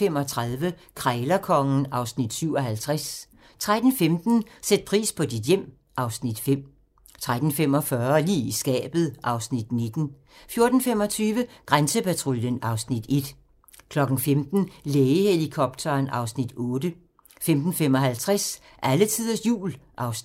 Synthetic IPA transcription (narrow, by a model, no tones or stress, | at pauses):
fem̰ɒ̽t͡sʰʁaðˠʋəkʰʁɛːlɐkʰɒ̽ŋn̩ɑ̈ʊsnid̥syʊ̰ɒ̽ɦælt͡sʰʁas | t͡sʰʁad̥n̩femd̥n̩sed̥̚pʰʁḭːspʰɒ̽did̥jem̰ | ʔɑ̈ʊsnid̥fem̰ | t͡sʰʁad̥n̩fem̰ɒ̽fɶɐlḭːisɡ̥ɛ̰ːb̥ð̞̩ˠʔɑ̈ʊsnid̥ne̝d̥n̩ | fjo̝ɐd̥n̩fem̰ɒ̽t͡sʰyːʋəɡ̥ʁansəpʰæt͡sʰʁuljənɑ̈ʊsnid̥e̝d̥ | kʰlɒ̽ɡ̥n̩femd̥n̩leːɪəhe̝likʰɒ̽b̥̚dʰɐːnʔɑ̈ʊsnid̥ɔːd̥ə | femd̥n̩fem̰ɒ̽ɦælt͡sʰʁas | ʔælət͡sʰið̰ˠɐsjṵːlʔɑ̈ʊ